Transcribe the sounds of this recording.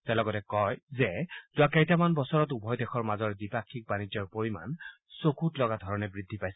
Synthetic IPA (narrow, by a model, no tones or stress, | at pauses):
tɛalɔɡɔtɛkɔjzɛtʊakɛjtamanbɔsɔɹɔtubʱɔjdɛxʰɔɹmazɔɹɛdipakʰːik̚banid͡ʒɔɹpoɹima̰n | sokʰutlɔɡadʱɔɹɔnɛbɹid̪ʱːipajsɛ